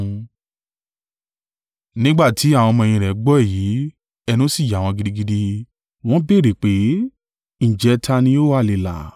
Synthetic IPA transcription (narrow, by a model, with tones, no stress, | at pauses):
nĩ˦ɡ͡ba˦˨ti˨˦a˦˨w̃ɔ̃˧mɔ̃˧j̃ĩ˧ɾɛ˨˦ɡ͡bɔ˦ɛ˦˨jiː˨˦ | ɛ˧nũ˦si˦˨ja˨w̃ɔ̃˧ɡi˧di˦˧ɡi˧di˧ | w̃ɔ̃˦be˦˨ɾe˨k͡pe˨˦ | ñ̩˨d͡ʒɛ˨˦tʰa˧nĩ˧˦o˦wa˦˨le˨la̰˨